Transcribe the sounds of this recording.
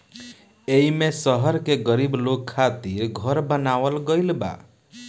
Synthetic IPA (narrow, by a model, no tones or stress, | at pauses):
eimesʌɦʌɾkeɡʌɾiblokʰːat̪iɾɡʱʌɾbʌnawəlɡɔjlba̰